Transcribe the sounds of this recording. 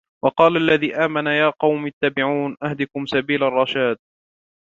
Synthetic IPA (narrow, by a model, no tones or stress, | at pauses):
wɑqɑːlaʔalːaðiːʔaːmanajaːqɑwmat̪ːaːbɪʕuːnʔahd̪ɪkʊmsabiːlarˤːɑʃaːd̪̚